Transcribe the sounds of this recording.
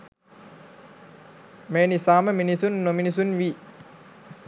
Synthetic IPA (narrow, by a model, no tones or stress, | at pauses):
meːnisaːməminisunːominisunʋiː